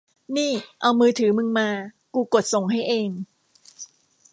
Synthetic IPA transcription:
niː˥˩ʔa˧wmɯː˧t̪ʰɯː˩˦mɯ˧ŋmaː˧ | kuː˧ko˨˩t̪̚so˨˩ŋɦa˥˩jʔeː˧ŋ

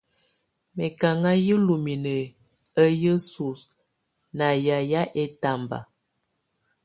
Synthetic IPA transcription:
mɛ˨ka˨ŋa˦ji˦lu˨mi˨nə˨ | ə˦jə˦su˨s | na˨ja˨ja˦ʔe˦ta˦˨mba̰˨

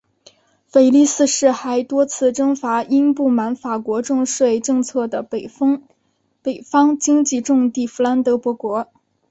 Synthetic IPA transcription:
fe˨˩ɪli˥˧sɹ̩˥˧ʂɻ̩˥˩xa˧˥ɪt̪wɔ˥t͡sʰɹ̩˥˩ʈ͡ʂɤ˥ŋfa˧˥ʔi˥npu˥˩ma˧˥nfa˨˩kwɔ˧˥ʈ͡ʂʊ˥˧ŋʂwe˥˧ɪʈ͡ʂɤ˥˧ŋt͡sʰɤ˥˩d̪ə˩˥ŋ | pe˨˩ɪfɑ˥ŋt͡ɕi˥ŋt͡ɕi˥˧ʈ͡ʂʊ˥˧ŋt̪i˥˩fu˧˥la˧˥nt̪ɤ˧˥pwɔ˧˥kwɔ˧˥

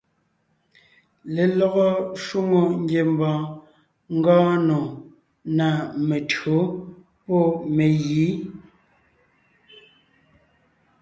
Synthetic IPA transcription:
le˨lɔ˦˨ɣɔ˦ʃu˦ŋo˨ŋ̩˦ɡje˨m˨bɔ̃ː˨ | ŋ̩˦ɡɔ̃ː˦no˨ | na˨me˨tɰo˨˦ | pɔ˦˨me˨ɣiː˨˦

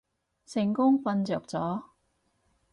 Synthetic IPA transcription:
sɪ˨˩ŋkʊ˥ŋfɐ˧nt͡sœː˨˩k̚t͡sɔː˨˥

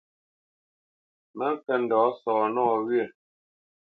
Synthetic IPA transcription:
mɛ˦ŋ˦kɛ˨n̩˨dɔː˨˦sɔː˨nɔː˦˨ɣɥɛ˦˨

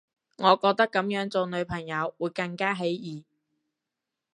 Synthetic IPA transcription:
ŋɔː˨˧kɔː˧k̚t̪ɐ˥kːɐ˨˥mjœː˨˥ŋt͡so˨˧wnɵ˨˧ɥpʰɐ˨˩ŋjɐ˨˧wwuː˨˧jkɐ˧ŋkaː˥ɦe˨˥jjiː˨

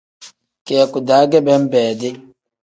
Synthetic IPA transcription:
kɛ˨ɛ˨ku˨da˨˦ɡɛ˦bɛ˦m˦bɛː˨dɪ˦

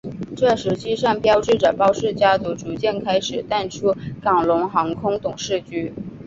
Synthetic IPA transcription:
ʈ͡ʂɤ˥˩ʂɻ̩˧˥t͡ɕʰi˥ʂɑ˥˩ŋpjɑ˥ʊʈ͡ʂɻ̩˥˩ʈ͡ʂə˨˩pɑ˥ʊʂɻ̩˥˩t͡ɕja˥t͡su˧˥ʈ͡ʂu˧˥t͡ɕjɛ˥˩nkʰa˥ɪʂɻ̩˨˩t̪a˥˩nʈ͡ʂʰu˥kɑ˨˩ŋlʊ˧˥ŋxɑ˧˥ŋkʰʊ˥ŋt̪ʊ˨˩ŋʂɻ̩˥˩t͡ɕy˥

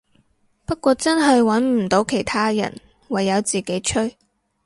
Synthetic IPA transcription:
pɐ˥t̚kʷɔː˧t͡sɐ˥nɦɐ˨jwɐ˨˥nm̩˨˩t̪o˨˥wkʰe˨˩jt̪ʰaː˥jɐ̰˨˩n | wɐ˨jːɐ˨˧wt͡siː˨ke˨˥jt͡ʃʰɵ˥ɥ

